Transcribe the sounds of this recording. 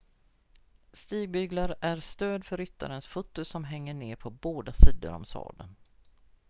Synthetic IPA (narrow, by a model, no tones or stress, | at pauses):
st̪iːɡ̚bʏɡlaɾʔæɾst̪øːd̪fœɾʏt̪ːa̰ɾənsfʊt̪ːʊsɔmɦɛŋːəɳeːpʰɔboːd̪asiːd̪ʊ̰ɾɔ̰msɑ̰ːd̪ən